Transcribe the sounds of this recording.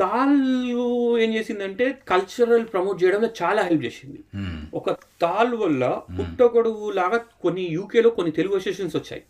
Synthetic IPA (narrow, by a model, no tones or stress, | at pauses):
t̪aːlue̞ːmd͡ʒe̞ːsind̪ɐɳʈe̞ːkɐlt͡ʃɐɾɐlpɾɐmoːʈ̚t͡ʃɛjɽɐmloːt͡ʃaːlaːɦelp̚t͡ʃe̞ːsind̪iɔkɐ | t̪aːlʋɐlːɐpuʈːɐkoɽuulaːɡaːkonːijuːkeːlo̞ːkonːit̪e̞luɡuesʈeːʂɐnsʋɐt͡ʃːa̰ːji